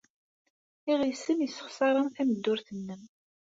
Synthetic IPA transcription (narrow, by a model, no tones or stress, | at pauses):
iʁisənjəsːə̥χsˤɑɾˤənθæməd̪ːʊɾθənːəm